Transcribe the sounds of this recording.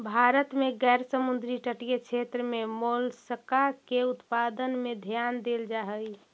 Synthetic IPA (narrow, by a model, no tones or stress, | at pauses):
bʱaɾət̪meɡɛːɾsəmund̪ɾiʈəʈijet͡ʃʰet̪ɾəmemolsəkakeut̪pad̪ənmed̪ʱjand̪eld͡ʒaɦəj